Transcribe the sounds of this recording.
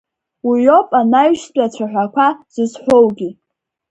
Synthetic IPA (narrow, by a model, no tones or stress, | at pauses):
wijo̞pʼanaɥʃtʷʼat͡ɕʷʰaħʷᶣakʷʰaz̥ɨzħʷowɡʲi